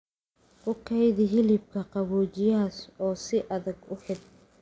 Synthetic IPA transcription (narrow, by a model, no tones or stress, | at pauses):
ʔʊkʰɛjðɪɦɪlɪb̚kʰɐqɑβuːt͡ʃɪjɐɦɐsɔːsɪʔɐðɐɡʊħɪd̪̚